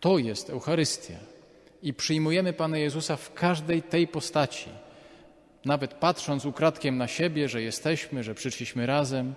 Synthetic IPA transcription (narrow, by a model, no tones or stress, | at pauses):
t̪ɔjɛst̪ɛwxaɾɘst̪ʲja̰ | ipʂɘjmujɛmɘpanajɛzusafkʰaʐd̪ɛjt̪ɛjpɔst̪at͡ɕḭ | navɛt̪patʂɔnt̪sukɾat̪kʲɛmnaɕebʲjɛʐɛjɛst̪ɛɕmɘʐɛpʂɘʂlʲiɕmɘɾazɛm